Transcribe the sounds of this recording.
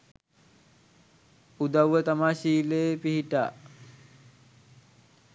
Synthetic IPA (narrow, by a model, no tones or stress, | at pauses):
ud̪awːət̪amaːɕiːleepiɦiʈa̰ː